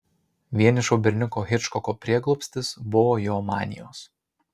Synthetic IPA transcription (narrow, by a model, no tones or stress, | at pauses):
ʋʲiɛnʲɪʃoːbʲɛɾʲnʲʊkoːɣʲɪt͡ʃkɔkoːpʲɾʲiɛɡlˠɔpʲsʲt̪ʲɪsbʊʋoːjɔːmɑ̰ːnʲɪ̰jo̰ːs